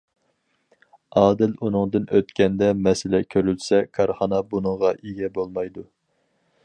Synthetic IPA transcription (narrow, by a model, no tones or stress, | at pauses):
ʔɑːd̪ɪlunɨŋd̪ɨnʔøt̪kʲɛnd̪ɛmɛsɪlɛkʲʰøɾylsɛkʰɑɾχɑnɑbunɨŋʁɑʔeɡʲɛbolˠmɑjd̪u